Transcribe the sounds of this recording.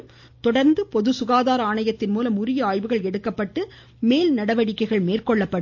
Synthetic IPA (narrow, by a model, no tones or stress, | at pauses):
t̪ɔɽɐɾnd̪ɯpɔðɯsʊɣaːðaːɾɐaːɳɐjɐt̪ːɪnmuːlɐmʊrɪjɐaːjʋɯɣɐɭɛɽɯkːɐpːɐʈːɯ | meːlnɐɽɐʋɐɽɪkːɐɪɣɐɭmeːrkɔɭːɐpːɐɽ